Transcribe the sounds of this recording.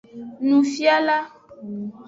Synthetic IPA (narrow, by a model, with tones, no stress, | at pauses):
nũ˨fi˦a˦la˦